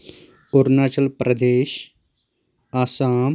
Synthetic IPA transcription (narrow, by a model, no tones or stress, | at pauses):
ʊɾnaːt͡ʃəlpɾɐd̪eːʃ | aːsaːm